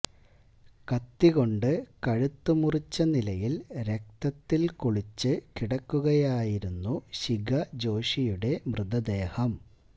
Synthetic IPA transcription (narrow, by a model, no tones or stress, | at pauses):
kɐt̪ːiɣo̞ɳɖɨkɐɻut̪ːumurit͡ɕːɐnilɐjilɾe̞k̚t̪ɐt̪ːilkoɭit͡ɕːɨkiɽɐkːuɣɐjaːjiɾunːuɕiɡɐd͡ʑo̞ːɕijuɽe̞mrɨd̪ɐd̪e̞ːhɐm